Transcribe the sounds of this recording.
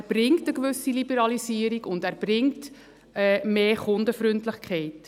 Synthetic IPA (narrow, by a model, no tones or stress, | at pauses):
æɾb̥ɾɪŋtəkʋʏsilibəɾɑlisiːəɾiɡʊndæːɾb̥ɾɪŋt | ɛːmeːχʊndəfɾʏntlɪχkʰχɛɪt